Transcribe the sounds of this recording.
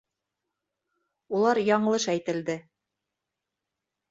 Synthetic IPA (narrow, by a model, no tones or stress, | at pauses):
ulˠɑɾjɑɴɤ̆lˠɤʃæjt̪ɘ̆ld̪ɘ